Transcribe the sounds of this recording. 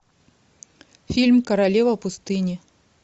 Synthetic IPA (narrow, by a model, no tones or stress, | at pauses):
fʲilʲmkɐɾalʲevɐpust̪ɨnʲɪ